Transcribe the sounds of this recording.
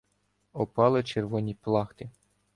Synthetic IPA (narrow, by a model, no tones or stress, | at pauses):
ɔpɑlˠɪt͡ʃerʋɔnʲiplˠɑxt̪ɪ